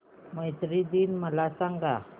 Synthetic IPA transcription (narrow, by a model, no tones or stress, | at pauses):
məjt̪ɾid̪inməlasaŋɡa